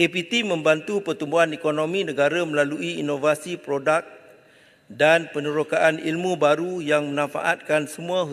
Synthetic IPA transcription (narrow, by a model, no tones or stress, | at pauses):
kepit̪imə̃mbant̪upərt̪umbuɦanekonõmĩnə̃ɡaɾaməlaluʔiinovasipɾodak̚ | danpənəɾokaʔanḭlmũbaɾujaŋmənãfa̰ʔa̰t̪̚kansəmũãɦu